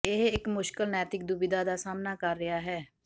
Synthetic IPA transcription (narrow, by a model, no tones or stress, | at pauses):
ɪɦɪkmʊʃkəlnɛːt̪ɪk̚d̪ʊbɪd̪aːd̪aːsaːmnaːkəɾːɪjaːɦɛː